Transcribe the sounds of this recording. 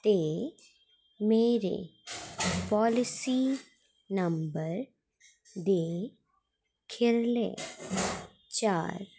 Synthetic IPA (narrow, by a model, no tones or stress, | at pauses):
t̪eː | meːɾḛ | pɔːlɪsi | nɐmbəɾ | d̪eː | kʰɪɾlḛ̃ː | t͡ʃaːɾ